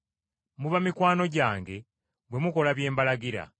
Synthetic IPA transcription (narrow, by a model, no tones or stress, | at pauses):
muβamikwaːno̞ɟaːŋɡe̞ | bwe̞muko̞laβje̞ːmbalaɡiɾa̰